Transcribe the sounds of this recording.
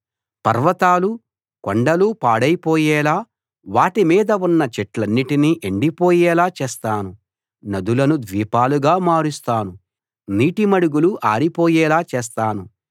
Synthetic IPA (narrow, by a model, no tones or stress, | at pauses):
pɐ̰ɾʋɐt̪aːlu | koɳɖɐlupaːɽɐjpoːjɛːlaː | ʋaːʈimiːd̪ɐunːɐt͡ʃeʈlɐnːiʈiniʔeɳɖipoːjɛːlaːt͡ʃɛːst̪aːnu | nɐd̪ulɐnud̪ʋiːpaːluɡaːmaːɾust̪aːnu | niːʈimɐɽuɡuluʔaːɾipoːjɛːlaːt͡ʃɛːs̬t̪aːnu